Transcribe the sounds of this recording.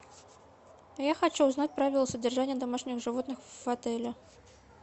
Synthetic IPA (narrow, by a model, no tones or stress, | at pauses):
jaxat͡ɕuːznatʲpɾavʲɪlˠəsədʲɪrʐanʲɪjəd̪amaʂnʲɪxʐɨvot̪nɨxvvɐt̪ɛlʲɪ